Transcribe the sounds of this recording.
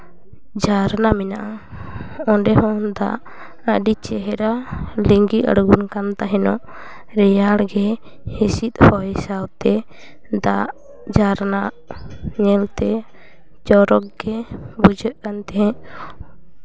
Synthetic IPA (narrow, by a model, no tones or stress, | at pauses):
d͡ʒaɾnamɛnaʔa | ɔɳɖɛɦɔnd̪a̰ʔ | əɖit͡ʃɛɦɛɾaliŋɡiʔə̰ɽɡunkant̪aɦɛnɔʔ | ɾɛjaɽɡɛ | hisit̪̚hɔjɛsawt̪ɛ | d̪aʔ | d͡ʒaɾnaʔɲɛlt̪ɛ | t͡ʃɔɾɔkɡɛbud͡ʒʱəʔkant̪ɛɦɛ̃ʔ